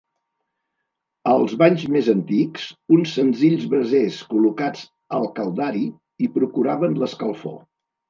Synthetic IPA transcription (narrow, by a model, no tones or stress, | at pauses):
əlˠzβaɲzmezənt̪iksunsːənziʎzβɾəzeskulukad͡z | əlˠkəlˠd̪aɾi | ipɾukuɾaβənləskəlˠfo̰